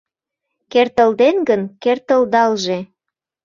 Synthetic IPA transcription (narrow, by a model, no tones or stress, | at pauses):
kert̪əld̪enɡənkert̪əld̪ɑlʒe